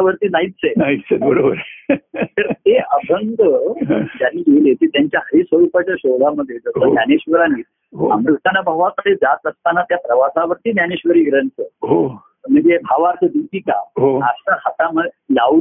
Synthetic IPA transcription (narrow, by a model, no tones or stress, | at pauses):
aʋəɾt̪iːnait̪t͡senait͡sebəɾobəɾt̪əɾt̪eəbʱənd̪ʱəɦd͡ʑjaɾiːɡelet̪it̪jaɲt͡ɕjaɦəɾisʋəɾuːpat͡ɕjaɕolaməd̪ʱːjed͡zəst̪onjaneɕʋəɾaniːt̪ | ɦoamɾukt̪anabʱaʋakəsed͡zat̪əst̪anat̪japɾəʋasaʋəɾt̪iːnjaneɕʋəɾiːɡɾəɳt͡səɦo | məd͡zebʱaʋaɾt͡səd̪it̪iːka̰ɦoast̪akʰat̪amə | la